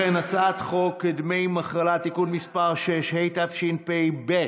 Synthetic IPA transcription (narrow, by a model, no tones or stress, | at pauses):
enat͡sat̪χokːid̪mejmaχʁalat̪ikunmispaʁʃeʃhejt̪afʃinpejbe